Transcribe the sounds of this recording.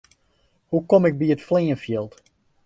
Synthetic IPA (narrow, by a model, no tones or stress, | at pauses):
hukomɪk̚biətfliːənfjɪlˠt